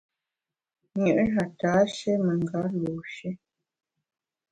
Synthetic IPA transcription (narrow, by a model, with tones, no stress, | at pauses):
ɲə˨ʔɦa˨taː˨˦ʃe˦mə˨ŋɡa˨˦lu˨ʃɛ˦